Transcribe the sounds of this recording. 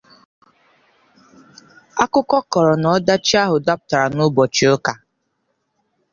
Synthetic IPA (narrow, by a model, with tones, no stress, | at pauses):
a˦kʊ˦kɔ˦kɔ˨ɾɔ˨nɔ˨˦da˦t͡ʃi˦a˦ɦʊ˨da˦pʊ˨ta˨ɾa˨nʊ˦bɔ˨t͡ʃi˨ʊ˦ka˨